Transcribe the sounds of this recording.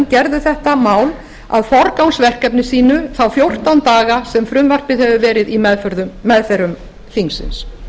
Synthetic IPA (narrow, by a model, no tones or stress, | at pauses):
ncɛɾðʏθɛht̪amaːwl | a̰ðfɔɾkawnsvɛr̥kɛpnɪsiːnʏθawfjowr̥t̪awnt̪aːɣasɛmfɾʏmvar̥pɪðhɛvʏvɛːɾɪðimɛðfœɾðʏmːɛðfɛɾʏm | θiŋsɪ̰ns